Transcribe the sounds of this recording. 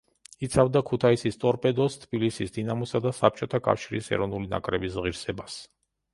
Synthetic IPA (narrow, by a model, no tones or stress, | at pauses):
it̪sʰavd̪akʰut̪ʰaisist̪ʼɔɾpʼɛd̪ɔst̪ʰbilisisd̪inamɔsad̪asap̚t͡ʃʼɔt̪ʰakʼa̰fʃiɾisɛ̰ɾɔvnulina̰kʼɾɛbisʁiɾsɛbas